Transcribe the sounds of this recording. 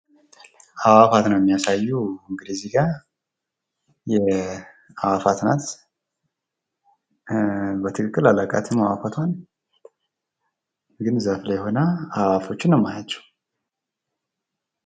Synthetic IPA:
ʔaβafat̪nəwjɛmːijasajːuɨŋɡɨliziɡa | jɛ | awafat̪nat̪ | bət̪ʰɨkʼɨkʼːɨlalakʼa̰t̪ʰɪmawafat̪ʰwan | ɡɨnzəfləjho̞nəaβafo̞t͡ʃːɪnːəmːajat͡ʃːɛw

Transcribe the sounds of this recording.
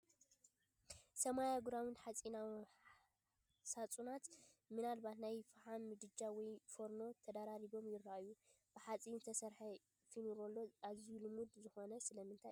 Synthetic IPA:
sɐmajaɡuɾawɨnħat͡sʼinaw | sat͡sʼunat̪mɨnalbat̪najfħanːɨd̪ɨd͡ʒawɔjfoɾno̞t̪ʰɐd̪aɾaɾiβo̞mjɪrːaʔju | b̥ɨħat͡sʼiɨnt̪ʰɐsɐɾħɐ | finuɾo̞lːo̞azijulɨmud̪zɨxo̞nɐsɨlɐmɨnt̪ʰa̰

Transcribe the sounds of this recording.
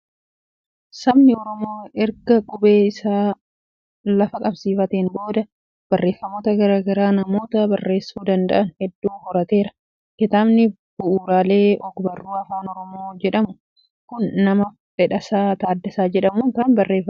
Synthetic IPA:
sɐbnɪɔɾɔmo̞ːɛɾɡɐkʼʊbe̞ːɪsaː | lɐfɐkʼɐbsiːfɐt̪eːnbo̞ːd̪ɐ | b̥ɐrːe̞ːfːɐmoːt̪ɐɡɐɾaːɡɐɾaːnɐmo̞ːt̪ɐbɐrːe̞ːsːuːd̪ɐnd̪ɐ̰ʔɐnhɛd̪ːuːhɔɾɐt̪e̞ːɾɐ | kɪt̪aːbnɪ | b̥ʊʔuːɾaːle̞ːʔɔkbɐrːuːɐfaːnɔɾɔmoːd͡ʒɛᶑɐmʊ | kʊnːɐmɐ | fɛᶑɐsaːt̪aːd̪ːɛsaːd͡ʒɛᶑɐmuːŋkaːnbɐrːe̞ːfɐ

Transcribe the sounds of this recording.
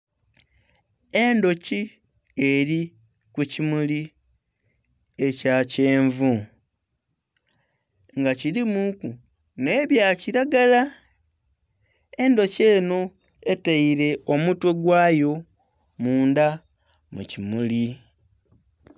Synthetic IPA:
e̞ndo̞ci | e̞ɾi | kucimuli | e̞cace̞ːɱvu | ŋɡaciɾimuku | ne̞ːβjaciɾaɡala | e̞ndo̞ce̞ːno̞ | e̞teiɾe̞ʔomutwe̞ɡwaːjo̞ | muːnda | mṵcimuli

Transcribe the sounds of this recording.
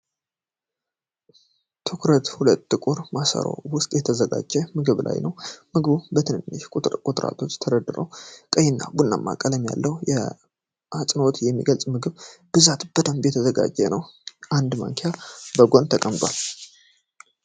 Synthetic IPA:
t̪ʰɨkʰɾət̪hulət̪ːɨkʼuɾmasə̰ɾo̰wʊst̪ʼjɛt̪ʰəzəɡad͡ʒːɛmɨɡɨβlʔa̰jnəwmɨɡɨbubət̪ʰɨnɨnːɨʃkʼʊt̪ʼkʼut̪ʼɾa̰t̪ʰo̞t͡ʃːt̪ʰəɾəd̪ɨɾə̰wkʼəjɪnːa̰bunːa̰mːa̰kʼələmja̰lːəhujɛ̰ | at͡sʼnot̪jɛmːḭɡəlt͡sʼmɨɡɨβb̥ɨzat̪b̥əd̪əmbjɛt̪ʰəzəɡa̰d͡ʒːɛnəwʔand̪ma̰ŋkʰejabəɡo̞nt̪ʰəkʼəmbal

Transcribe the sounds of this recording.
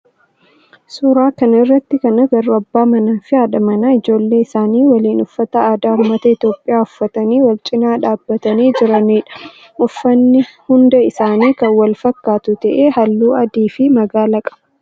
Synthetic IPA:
suːɾaːkɐnɐɪrːɐt̪ːɪkɐnɐɡɐɾʊɐbːaːmɐnɐfɪaːᶑɐmɐnɐɪd͡ʒo̞ːlːe̞ːɪsaːniːwɐliːnʊfːɐt̪ɐaːd̪aːʊmːɐt̪ɐɪt̪jo̞ːpʼːɪjaːʊfːɐt̪ɐniːwɐlt͡ʃʼɪnaːᶑaːbːɐt̪ɐniːd͡ʒɪɾɐniːᶑɐ̥ | ʔʊfːɐnːɪhʊnd̪ɐɪsaːniːkɐwɐlfɐkːaːt̪ʊt̪ɐʔeːhɐlːuːɐd̪iːfɪmɐɡaːlɐkʼɐ̥b̥ɐ

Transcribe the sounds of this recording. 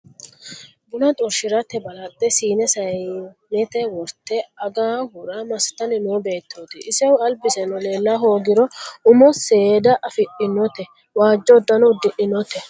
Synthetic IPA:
bʊnɐt̪ʼɔɾʃɪɾɐt̪ːɛbɐlɐd̪ːɛsiːnɛsɐjnɛt̪ɛwɔɾt̪ːɛɐɡaːhʊɾamɐst̪ɐnɪnoːbe̞ːt̪ːoːt̪ɪʔɪsɛwʊɐlbɪsɛnɔle̞ːlːaɦo̞ːɡɪɾɔʊmɔseːd̪ɐʔɐfɪʔɪnɔt̪ɛ | waːd͡ʒːɔd̪ːɐnɔwd̪ɪʔɪnɔt̪ɛ

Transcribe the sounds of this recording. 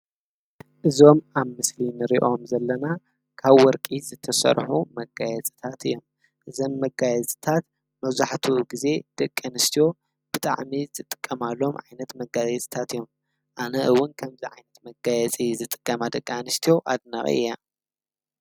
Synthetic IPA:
ʔɨzo̞maβmɨslinɨɾiʔo̞mzɐlːɐna | kʰaβwɔɾkʼizɨt̪ʰɐsɐ̰ɾħumɐɡajɛt͡sʼi̥t̪ʰat̪ɨjːo̞m | ʔɨzomːɐɡajɛt͡sʼi̥t̪ʰat̪ | mɐβzaħt̪ʰuɡize̞d̪̥ɐkʼːanɨst̪ʰijo̞ | b̥ɨt̪ʼa̰ʕmizɨt̪ʼɨ̥kʼːɐmalːo̞mʕa̰jnɐt̪mɐɡazɐt͡sʼi̥t̪ʰat̪ɨjːom | ʔanɐʔɨwːʊnkʰɐmziʕajnɐt̪mɐɡajɛt͡sʼizɨt̪ʼɨ̥kʼːɐmad̪ɐkʼːanɨst̪ʰijo̞ʔad̪nɐχʼḭʔɨ̰ja

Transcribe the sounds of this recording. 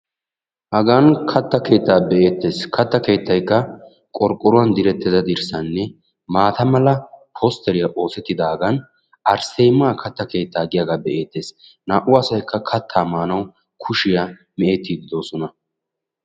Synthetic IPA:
hɐɡaːnkʰɐt̪ːɐke̞ːt̪ːaːbɛʔe̞ːt̪ːe̞ːskʰɐt̪ːɐke̞ːt̪ːɐjkːɐ | kʼɔɾkʼːɔɾʊɐnd̪ɪɾɛt̪ːɪd̪ɐd̪ɪɾsɐnːɛ | maːt̪ɐmɐlɐpʰoːst̪ʰɛɾɪjɐʔo̞ːsɛt̪ːɪd̪ɐhɐɡɐn | ɐɾsejmaːkʰɐt̪ːɐke̞ːt̪ːaːɡɪjaːɡaːbɛʔe̞ːt̪ːe̞ːs | naːʔʊɐsɐjkːɐkʰɐt̪ʰːaːmaːnɐw | kʰʊʃɪja | mɛeːt̪ːid̪ɪd̪o̞ːsɔnɐ

